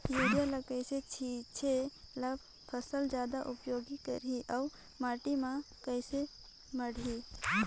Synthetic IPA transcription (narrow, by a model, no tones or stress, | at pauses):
juːɽijaləkəɪset͡ʃʰit͡ʃʰelab | pʰəsəld͡ʒjaːd̪aʔʊpjoːɡikə̰ɾiʔaʊ | maːʈimã | kəɪse | məɽi